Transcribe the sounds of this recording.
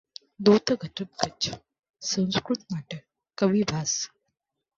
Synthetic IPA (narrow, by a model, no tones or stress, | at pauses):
d̪ut̪əɡʱəʈəp̚kət͡ʃʰ | sə̃w̃skɾut̪̚maʈə | kəʋibʱas